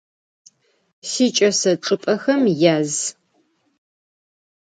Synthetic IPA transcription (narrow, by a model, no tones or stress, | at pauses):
siːt͡ʃʼɐsɐʈ͡ʂʼɨpʼɐxɐmjaːz